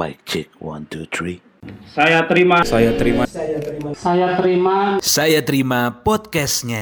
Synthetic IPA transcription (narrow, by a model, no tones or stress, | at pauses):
a̰ɪk̚t͡ʃɪk̚wa̰nt̪ut̪ɾi | sajat̪əɾimasajat̪əɾimasajat̪əɾimasajat̪əɾimapɔt̪̚kɛsɲa